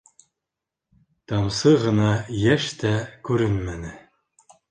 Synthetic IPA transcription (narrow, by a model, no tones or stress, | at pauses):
t̪ɑmsɤʁɤ̆nɑjæʃt̪ækʉɾɘnmænɘ